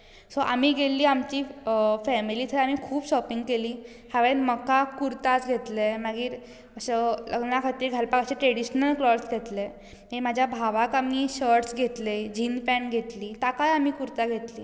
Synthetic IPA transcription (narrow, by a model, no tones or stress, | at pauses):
sɔʔa̰miːɡʱelːiːamt͡ɕiːfɛmiliːt̪ʰəɾam̤iːkʰuːbɕɔpiŋɡkeliː | hjaʋenməkakuɾt̪at͡sɡʱet̪lemaɡiːɾ | əɕelə̰ɡnjakʰat̪iːɾɡʱalpakəɕẽʈɾeɽiɕnəlklɔɾsɡʱet̪le | memad͡ʑʱjabʱaʋakamiːɕəɾʈsɡʱet̪led͡ʑiːnpɛ̃ɳɡʱet̪liːt̪akajamiːkuɾt̪aɡʱet̪liː